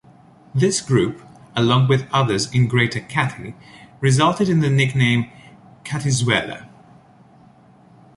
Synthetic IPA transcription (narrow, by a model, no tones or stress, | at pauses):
ðɪsɡ̥ɹʉp | əlɔ̃ŋwɨðʌðə˞zɪ̃nɡɹeɪɾəkʰæɾɹɨzʌlˠtɨɾɨ̃nðɨnɪknẽɪ̃mkʰæɾɨzwɛlˠə̰